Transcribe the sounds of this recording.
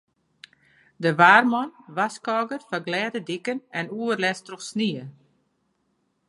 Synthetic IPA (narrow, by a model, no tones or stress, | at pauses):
dəʋaːrmɔnʋaskɔːɡərfaɡlɛːdədikənɛnuərlɛstroxsniə